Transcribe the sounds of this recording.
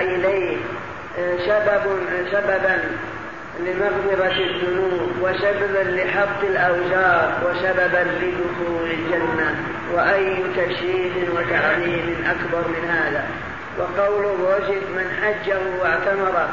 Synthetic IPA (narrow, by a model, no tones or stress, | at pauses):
ʔɪlajh | sababsababan | lɪmɑɣd̪ɪɾaðːʊnuːbwaʃababanlɪħɑbt̪ːˤɪlʔawd͡ʒɑːɾˤwasababanlɪd̪ʊxuːlɪld͡ʒanːa | waʔajːʊt̪aʃɾiːd̪ɪnwat̪aʕðiːmɪnʔakbɑɾˤmɪnhaːða | wʔɑqɑwlʊroːd͡ʒɪdmɪnħad͡ʒːahʊwaʕt̪amɑɾˤɑ